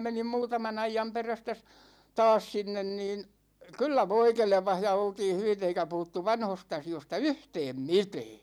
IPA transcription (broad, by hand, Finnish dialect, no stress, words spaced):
menim muːtɑmɑn ɑijɑm peræstæ s tɑːs sinːen niːn kylːæ ʋoi kelĕpɑh jɑ oltiːn̞ hyʋit eikæ puhutːu ʋɑnhost ɑsiostɑ yhtɛːm mitɛː